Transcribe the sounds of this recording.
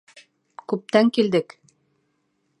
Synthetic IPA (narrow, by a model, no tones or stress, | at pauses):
kʉp̚t̪æŋkild̪ɘk